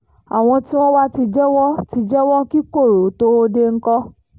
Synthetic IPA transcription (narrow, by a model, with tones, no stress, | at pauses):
a̰˨w̃ɔ̃˧ti˦w̃ɔ̃˦wa˦ti˧d͡ʒɛ˦wɔ˦ti˧d͡ʒɛ˦wɔ˦ki˦ko˦˨ɾo˨˦to˦o˧de˧ŋ̩˦kɔ˦